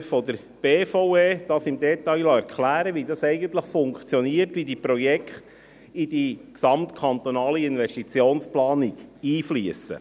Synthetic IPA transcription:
fɔd̪əɾ | b̥eːfɔweːd̥ɑːsɪmd̪ɛt̪ɑɪjlɑɛɾkχlæːɾəʋidɑsɛɪɡənt̪ləχfʊŋkt͡sjɔniəɾtʋidipɾɔjɛkχt̪ | id̥iksɑmt̪kʰɑnt̪onɑːliɪnʋɛstit͡sjoːnsplɑːniɡiːfliəsə̰

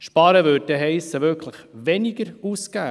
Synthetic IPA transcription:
ʃpɑɾəʋøːdɛɦɛɪsəʋʏkʰləχʋɛniɡəɾuskæː

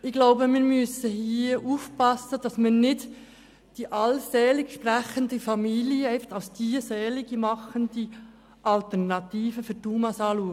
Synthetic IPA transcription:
ɪɡ̥laʊbəmɪːɾmʏsəhiːʔuːfpɑsːəd̥ɑsmənnɪt | d̥iʔɑlsɛːlɪɡʃprɛxəndəfɑmiːljəɛftɑʊsd̥iːsɛːliɡimɑχəndi | ʔɑlt̪ɛʁnɑt̪iːfəfʏɾtuːmɑsɑːluək

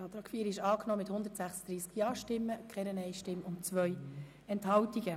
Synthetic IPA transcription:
ɑt̪ɾɑkʰfviːɾɪʃɑːknɔːmɪt̪hʊnd̪ətsæχsəd̥̪ɾiːskjɑːʃtɪmːəkʰχɛɾənɛɪʃtɪmʊntt͡sʋœʏ | ɛnthɑltiɡ̥ə

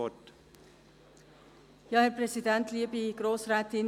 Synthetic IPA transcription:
ɔt | jɑːhɛɾpɾɛsidɛntliːbiɡ̥ɾoːsɾɛːtɪn

